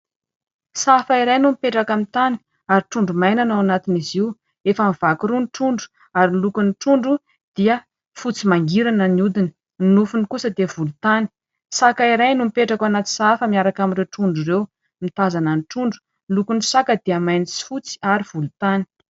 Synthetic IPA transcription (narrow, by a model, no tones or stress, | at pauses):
safaiɾajnumipeʈ͡ʂakamit̪ani̥ | aɾiʈ͡ʂuɳɖ͡ʐumajnanaanat̪iniziw | efəmiv̥akuɾunʈ͡ʂuɳɖ͡ʐu̥ | aɾinlukuniʈ͡ʂuɳɖ͡ʐu | d̪̥iə | fut͡simaŋɡiɾanəniud̪inə | inufunikusəd̪ev̥ulut̪ani̥ | sakaiɾajnumipeʈ͡ʂakwanat̪i̥safəmiaɾakaminreʈ͡ʂuɳɖ͡ʐuɾew | mit̪azananiʈ͡ʂuɳɖ͡ʐu̥ | nlukunsakəd̪iəmajnit͡si̥fut͡si̥aɾiv̥ulut̪ani̥